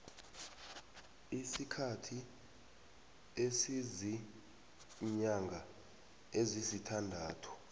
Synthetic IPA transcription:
isikʰatʰi | esizi | ɲaŋɡʱa | ezizitʰandʱaːtʰɔ̥

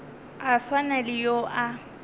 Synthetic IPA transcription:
aswanalɪjoʔa

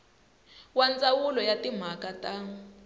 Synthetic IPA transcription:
wand͡zawulɔjatim̤akata

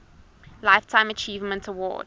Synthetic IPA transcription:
laɪftʰãɪ̃mət͡ʃiːvmə̃ntʰəwɔ̰ːd̥

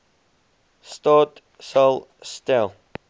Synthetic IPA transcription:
stɔt | sɔl | stɛlˠ

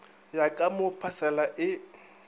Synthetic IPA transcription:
jakʼamʊpʰasɛlaʔɪ

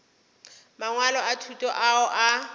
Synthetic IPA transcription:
maŋwalɔatʰutʼɔʔaʊʔa

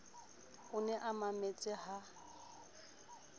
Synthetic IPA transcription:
ʊnɛʔamamet͡sʼɪɦa

